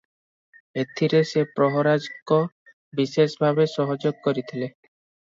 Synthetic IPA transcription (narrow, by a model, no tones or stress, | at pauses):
bet̪ʰiɾesepɾɔɦɔɾad͡ʒkɔ | bisesbʱabesɔɦɔd͡ʒoɡ̚kɔɾit̪ʰile